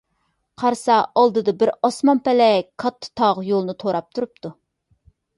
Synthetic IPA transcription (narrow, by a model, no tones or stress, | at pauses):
qʰɑɾsɑɑlˠd̪ɨd̪ɑbɪɾɑsmɑmpɛlɛkʰɑt̪ʰːɨ̥t̪ʰɑʁjolˠnɨt̪ʰoɾɑp̚t̪ʰuɾup̚t̪ʰu